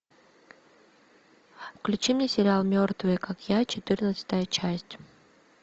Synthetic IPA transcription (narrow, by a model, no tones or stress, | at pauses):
fklʲʉt͡ɕimnʲesʲɪɾʲɪalˠmʲort̪vɨjkakjat͡ɕɪt̪ɨrnət̪sə̥t̪əjət͡ɕæsʲtʲ